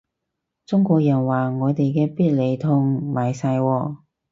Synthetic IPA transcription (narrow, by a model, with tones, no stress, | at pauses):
t͡sʊ˥ŋkʷɔː˧k̚jɐ˨˩nwaː˨˩ŋɔː˨˧t̪e˨jkɛː˧piː˥t̚le˨˩jt̪ʰʊ˧ŋmaː˨˩jsaː˧jwɔː˧